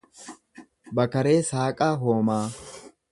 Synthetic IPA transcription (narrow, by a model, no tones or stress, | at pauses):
bɐkɐɾeːsaːkʼaːɦoːmaː